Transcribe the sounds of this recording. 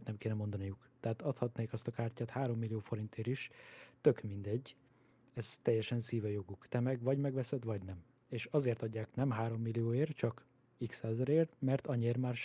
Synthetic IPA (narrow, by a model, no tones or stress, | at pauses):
t̪nɛmkeːnɛmo̞nd̪ɒnijukt̪ɛɦaːt̪ɒt̪hɒt̪neːkɒst̪ɒkaːrcaːt̪haːɾo̞mːilːijoːfo̞ɾint̪eːɾiʃt̪ø̞kmind̪ɛɟː | ɛzt̪ɛjːɛʃɛnsiːvɛjoɡukt̪ɛmɛɡvɒɟmɛɡʋɛsɛd̪ʋɒɟnɛm | eːʃɒzeːrt̪ɒɟːaːknɛmɦaːɾo̞mːilːijoːeːrt͡ʃɒk | iksaːzɒɾeːrmɛrt̪ɒɲieːrmaːrʃ